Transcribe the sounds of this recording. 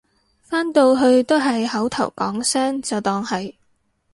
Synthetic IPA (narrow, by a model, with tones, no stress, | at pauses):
faː˥nt̪o˧wɦɵ˧ɥt̪o˥wɦɐ˨jhɐ˨˥wt̪ʰɐ˨˩wkɔ̰ː˨˥ŋsœː˥ŋt͡sɐ˨wt̪ɔː˨˧ŋhɐ˨j